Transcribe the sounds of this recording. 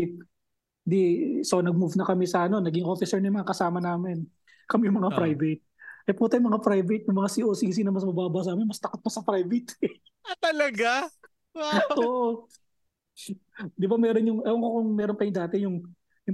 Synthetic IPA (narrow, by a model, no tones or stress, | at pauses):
t̪̚ | d̪isonɐɡ̚muvnɐkɐmɛsɐʔɐno̞nɐɡɪŋʔoːfɪsɛɹnɐjmɐŋakɐsaːmɐnaːmɪn | kɐmɛjʊŋmɐŋapɾajvɛt̪̚ʔɐjpuːt̪ɐjʊŋmɐŋapɾajvɐt̪̚jʊŋmɐŋasiʔoːsiːs̬inɐmɐsmɐbaːbɐs̬aːmɪnmɐst̪ɐkot̪̚mɐsɐpɾajvɪt̪ | t̪ɐlɐɡa | oːʔo | d̪ɪbamɛːɾo̞njʊŋɐloŋkokʊŋmɛːɾonpɐjʊd̪aːt̪ɛjʊŋ | jʊ